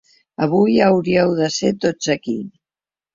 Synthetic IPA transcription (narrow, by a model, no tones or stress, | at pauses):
əβujəwɾiəwðəset̪ozəkḭ